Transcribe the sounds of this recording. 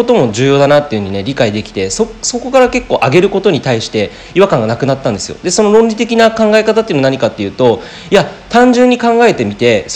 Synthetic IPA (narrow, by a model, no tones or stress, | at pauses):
ot̪o̞mo̞ʑɨːjo̞ːd̪anat̪ːe̞jɯ̟ɲ̟ine̞ɾʲikaid̪e̞kʲi̥t̪e̞soso̞ko̞kaɾake̞kːo̞ːʔaɡe̞ɾɯ̟ko̞t̪o̞ɲ̟it̪aiɕi̥t̪e̞ | iβakãŋɡanakɯ̟nat̪ːãnd̪e̞sɨjo̞̰d̪e̞so̞no̞ɾõ̞nɾʲit̪e̞k̬ʲinakãŋɡae̞kat̪at̪ːeɯnnaɲ̟ikat̪ːe̞jɯ̟ːt̪o̞ | iat̪ãɲ̟d͡ʑɨ̃ɲ̟ːikãŋɡae̞t̪e̞mʲit̪e̞s